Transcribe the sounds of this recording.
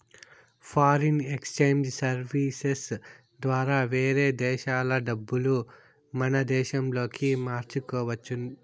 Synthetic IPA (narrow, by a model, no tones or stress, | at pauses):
pʰaːɾinekst͡ʃejmd͡ʒsɐɾʋiːses | d̪ʋaːɾaːʋeːɾeːd̪ɛːʃaːlɐɖɐbːulu | mɐnɐd̪ɛːʃɐmlo̞ːkimaːɾt͡ʃukɔːʋɐt͡ʃːu